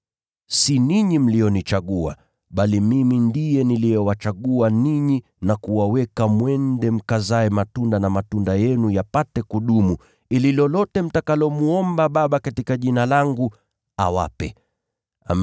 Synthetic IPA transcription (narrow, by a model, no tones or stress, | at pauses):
siniɲim̩lijɔnit͡ʃaɠua̰ | ɓalimimindijɛnilijɛwat͡ʃaɠuaniɲi | nakuwawɛkamwɛndɛm̩kazaɛmatundanamatundajɛnujapatɛkuɗumu | ililɔlɔtɛm̩takalɔmuɔmbaɓaɓakatikaʄinalaŋɡu | a̰wa̰pɛ | a̰